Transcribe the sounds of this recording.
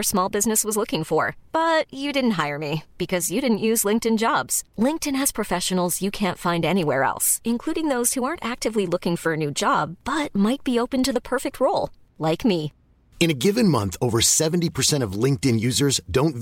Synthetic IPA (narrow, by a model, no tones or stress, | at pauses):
ə˞smɔlˠbɪznɨswʌzlʊkɪ̃ŋfə˞b̥ʌt͡ʃɨdɪdⁿn̩tɦaɪə˞mib̥ɨkʰʌzjɨɾɪdⁿn̩ʔjʉzlɪ̃ŋk̚tɨ̃nd͡ʒɑbz̥lɪ̃ŋk̚tɨ̃nɨz̥pʰɹ̥ɨfɛʃɨn̩l̩ˠzjɨkʰæ̃ntfãɪ̃ndɛñiwɛɹɛ̰lˠsɨ̃nkʰl̥uɾɪ̃ŋðoʊz̥huɑɹntæk̚tɨvlilʊkɪ̃ŋfə˞ɨnʉd͡ʒɑb̥ːʌt̚maɪt̚b̥ioʊpɨ̃ntɨðəpʰɜ˞fɨk̚t̚ʰɹoʊlˠ | laɪkmi | ɨ̃nɨɡɪvɨ̃nmʌ̰̃nθoʊvə˞sɛvn̩tipʰə˞sɛ̃ɾ̃ʌvlɪ̃ŋk̚tɨ̃njʉzə˞zdõʊ̃nt